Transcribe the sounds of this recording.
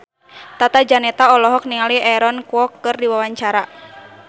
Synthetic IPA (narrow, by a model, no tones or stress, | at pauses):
t̪at̪ad͡ʒanɛt̪aɔlɔɦɔk̚niŋaliʔɛɾɔnkuɔkːɨrdiwawaɲt͡ʃaɾa